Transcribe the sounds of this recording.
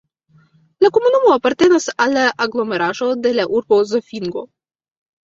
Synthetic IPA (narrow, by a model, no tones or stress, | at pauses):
lakomunumoapart̪enesalaʔaɡlˠomeɾaʒod̪elaʔurbozafʲiŋɡo